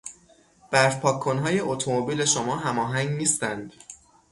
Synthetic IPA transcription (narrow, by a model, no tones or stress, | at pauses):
b̥æɾfpʰɒːkʰːo̞nɦɒːje̞ʔot̪ʰomobiːle̞ʃomɒːɦæmɒːɦæŋɡniːst̪ænd̪̥